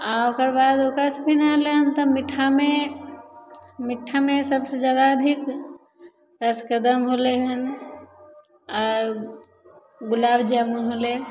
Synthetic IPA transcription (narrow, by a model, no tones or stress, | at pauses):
aokəɾbad̪okəɾspʰinaleɦənt̪ɔmiʈʰːame | miʈʰːamesəbsed͡ʒjad̪aəd̪ʱik | ɾəskəd̪əmɦoleɦən | ɔːɾ | ɡʊlaːbd͡ʒəbnɦole